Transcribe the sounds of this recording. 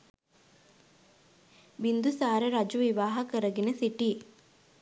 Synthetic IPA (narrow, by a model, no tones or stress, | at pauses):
ʋind̪usaːɾeɾɐd͡ʒuʋiʋaːɦɐkəɾɐɡinesiʈi